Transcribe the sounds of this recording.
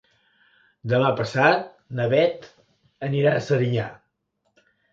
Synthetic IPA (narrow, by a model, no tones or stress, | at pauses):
d̪əmapəsat̪̚ | nəβɛt̪ | əniɾaəsəɾiɲa